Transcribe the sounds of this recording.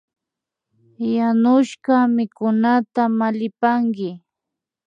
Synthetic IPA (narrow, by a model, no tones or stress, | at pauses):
janʊʃɢɑmɪkʊnat̪amalɪpaŋkɪ